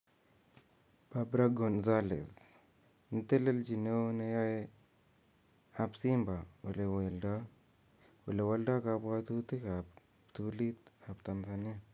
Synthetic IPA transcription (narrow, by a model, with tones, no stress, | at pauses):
babɾaɡɔ˨nzalḛ˨z | nte˦le˦ld͡ʒi˨ne˦wne˦ja˦j | a˨bsimba˨we˨le˨wa˨lda˦ | we˨le˨walda˦kabwatu˦ti˦kab | tulit̪abtanzani˦ja